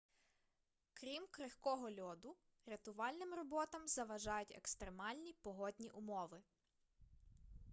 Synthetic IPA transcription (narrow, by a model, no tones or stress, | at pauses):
kɾʲimkɾɪxkɔɦɔlʲɔd̪ʊ | ɾet̪ʊʋɑlʲnɪmrɔbɔt̪ɐmzɐʋɐʒɑjʊtʲḛkst̪ɾemɑlʲnʲipɔɦɔdʲnʲiʔʊmɔʋɪ